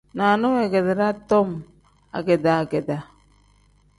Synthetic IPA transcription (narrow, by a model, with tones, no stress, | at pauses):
naː˨no˦we˨ɡe˨d̪e˨ɾa˦t̪ːo˦m | a̰˨ɡe˨d̪a˨ɡe˨d̪a˨